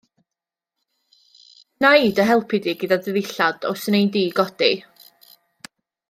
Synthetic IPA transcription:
naidəɦɛlˠpʰɪdiɡədadəðɪɬad̥ɔ̰snejdiːɡɔd̥i

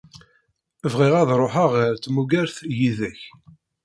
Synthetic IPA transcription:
əvʁɪʁæðɾˤoħaʁɾt͡s̪ːmuɡæɾθjiðæç

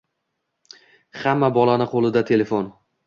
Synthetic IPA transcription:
hamːabɒlanɪqʰolˠɪd̪at̪ʰe̞le̞fon

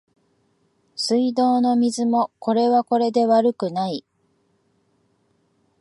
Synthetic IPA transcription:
sɨid̪o̞ːno̞mʲizɨmo̞ko̞ɾe̞βako̞ɾe̞d̪e̞βaɾɯ̟kɯ̟nai

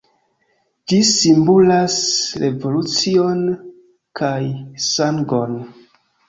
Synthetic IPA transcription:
d͡ʒisimbulasɾevo̞lut͡sio̞n | kʰajsaŋɡo̞n

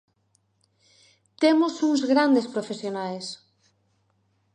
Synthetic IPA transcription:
t̪emosuŋzɣɾand̪espɾofesjonajs

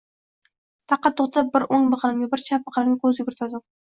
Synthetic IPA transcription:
t̪ʰɑqːɑt̪ʰːoχt̪ʰap̚bɪɾoŋbɨqʰɑlɪmɡʲɪbɪɾt͡ʃʰap̚bɨqʰɑlɪmɡʲɪkʰɵzʊɡʲʊɾɪt̪ʰad̪ɪ

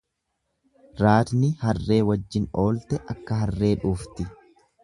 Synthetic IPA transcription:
ɾaːt̪nɪhɐrːe̞ːwɐd͡ʒːɪno̞ːlt̪ɛʔɐkːɐɦɐrːe̞ːᶑuːft̪ɪ

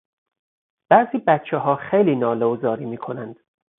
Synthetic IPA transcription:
b̥æziːbæt̪̚t͡ʃʰɛɦɒːxejliːnɒːlozɒːɾiːmiːkʰo̞nænd̪̥

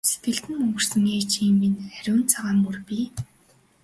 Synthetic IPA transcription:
set̪̚ɡɘ̆ɮt̪ɘ̆nmɵŋɡɵ̆r̥sɘ̆ŋeːt͡ɕiːmːinχæɾʲʊːnt͡sʰaʁaːmːurpʲiː

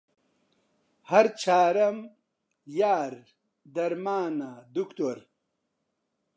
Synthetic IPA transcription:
hɐɾt͡ɕʰaːɾɐm | jaːɾ | d̪ɐɾmaːnad̪ukt̪oɾ

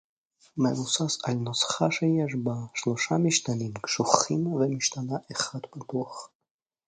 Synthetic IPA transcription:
mevusasalnosχaʃejɛʃ̬baʃloʃamiʃt̪animkʃuχimvemiʃt̪anaʔeχad̪bat̪uaχ

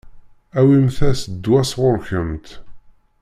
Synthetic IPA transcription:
æwimθæsəd̪ːwæsʁʊɾçəmt̪

